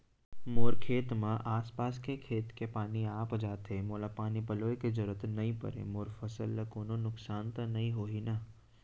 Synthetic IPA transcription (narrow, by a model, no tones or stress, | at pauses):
moːɾkʰeːt̪mãʔaːspaːskekʰeːt̪kepaːniaːpd͡ʒaːt̪ʰeːmoːlapaːnipɐloːekezɐɾət̪nɐĩpɐ̰ɾḛmoːɾfəsəlːɐkoːnonʊksaːnt̪ɐnɐĩɦoːɦinɐ